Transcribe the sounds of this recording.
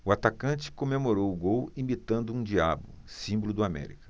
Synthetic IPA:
ʊat̪akɐ̃t͡ʃɪ̥komemoɾowʊɡowimit̪ɐ̃nd̪ʊũd͡ʒia̰bʊ̰ | sĩbolʊd̪ʊamɛ̰ɾḭkɐ̥

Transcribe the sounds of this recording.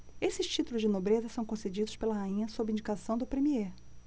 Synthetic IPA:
esɪʃt͡ʃit̪ulʊzd͡ʒɪnobɾezɐsɐ̃w̃kõsed͡ʒid̪ʊʃpelɐhaĩɲɐsobɾɪĩd͡ʒikasɐ̃w̃d̪ʊpɾemieɾ

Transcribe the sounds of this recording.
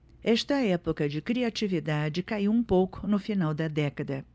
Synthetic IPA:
ɛʃt̪ɐɛpokɐd͡ʒɪkɾiat͡ʃivid̪ad͡ʒɪkaiwũpowkʊ̥nʊfinawd̪ɐd̪ɛkɐd̪ɐ

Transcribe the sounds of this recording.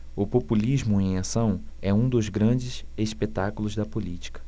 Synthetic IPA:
ʊpopuliʒmʊẽj̃asɐ̃w̃ | ɛũd̪ʊzɡɾɐ̃d͡ʒɪseʃpet̪akulʊzd̪ɐpolit͡ʃi̥kɐ̥

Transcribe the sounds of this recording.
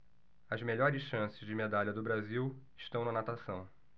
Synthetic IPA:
ɐzmeʎɔɾɪsʃɐ̃sɪzd͡ʒɪmed̪alʎɐd̪ʊbɾaziwɪʃt̪ɐ̃w̃nɐnat̪asɐ̃w̃

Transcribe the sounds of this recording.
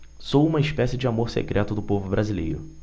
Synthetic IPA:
sowũmɐɪʃpɛsɪd͡ʒɪamoɾsḛkɾʔɛt̪ʊd̪ʊpovʊbɾazilḛjɾʊ̰

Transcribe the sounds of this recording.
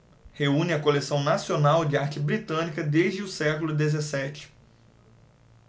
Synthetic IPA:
heũnɪɐkolesɐ̃w̃nasionawd͡ʒɪaɾt͡ʃɪbɾit̪ɐ̃nikɐd̪eʒd͡ʒɪʊsɛkʊlʊd̪ezesɛt͡ʃɪ̥

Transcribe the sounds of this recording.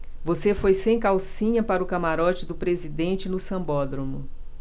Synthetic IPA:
vosefojsẽj̃kawsĩɲɐpaɾʊkamaɾɔt͡ʃɪd̪ʊpɾezid̪ẽnt͡ʃɪnʊsɐ̃mbɔd̪ɾõmʊ

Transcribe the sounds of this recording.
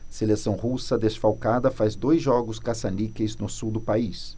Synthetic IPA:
selesɐ̃w̃husɐd̪esfawkad̪ɐfazd̪ojzʒɔɡʊskasanikeznʊsuwd̪ʊpais

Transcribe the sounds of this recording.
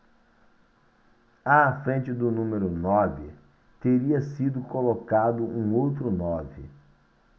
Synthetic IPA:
afɾẽnt͡ʃɪd̪ʊnũmeɾʊnɔvɪ̰ | t̪eɾiɐsid̪ʊkolokad̪ʊʔũowt̪ɾʊnɔvɪ̰

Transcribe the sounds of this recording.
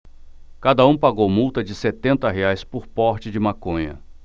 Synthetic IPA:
kad̪ɐũpaɡowmuwt̪ɐd͡ʒɪset̪ẽnt̪ɐɦeajspʊɾpɔɾt͡ʃɪd͡ʒɪmakõɲɐ̰

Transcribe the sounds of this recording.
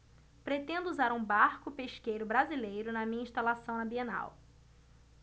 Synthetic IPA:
pɾet̪ẽnd̪ʊuzaɾũbaɾkʊpeʃkejɾʊbɾazilejɾʊnɐmĩɲɐĩʃt̪alasɐ̃w̃ɐ̃mbiẽna̰w

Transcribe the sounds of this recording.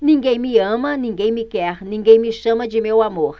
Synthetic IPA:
nĩŋɡejmĩəmãnĩŋɡejmĩkɛhnĩŋɡejmĩʃɐmãd͡ʒimewamoɾ

